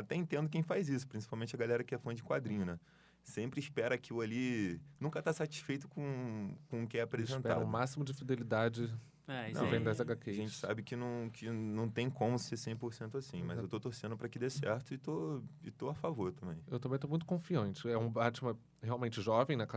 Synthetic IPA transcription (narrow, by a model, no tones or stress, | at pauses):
at̪ɛẽnt̪ẽnd̪ʊk̬ẽj̃fajzisʊ̥pɾĩs̬i̥pawmẽnt͡ʃɐɡalɛɾɐkɪɛfɐ̃d͡ʒɪkwad̪ɾĩɲʊnɛ | sẽmpɾɪspɛɾɐakilʊalinũŋkɐt̪asat͡ʃi̥sfejt̪ʊkõkõʊkɪɛapɾezẽntɛa̰ɾɐũmasimʊd͡ʒɪfid̪elid̪ad͡ʒɪ | ɛɐ̰̃vẽj̃d̪ɐzaɡakeʒẽnt͡ʃɪ̥sa̰bɪkɪnɐ̃w̃kʰɪnɐ̃w̃t̪ẽj̃kõmʊseɾsẽj̃poɾsẽnt̪ʊasĩmɐzewt̪ot̪oɾsẽnd̪ʊpɾɐkɪd̪esɛɾt̪ʊɪt̪oɪt̪oafavoɾt̪ɐ̃mbẽj̃ewt̪ɐmbẽt̪omũj̃t̪ʊ̥kõfiɐ̃nt͡ʃɪɛũbat͡ʃɪmɐ | heawmẽnt͡ʃɪʒɔvẽj̃nɐka